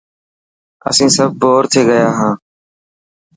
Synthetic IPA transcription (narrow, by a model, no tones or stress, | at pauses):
ə̰sĩːsəb̚boːɾt̪ʰeːɡəjaːɦãː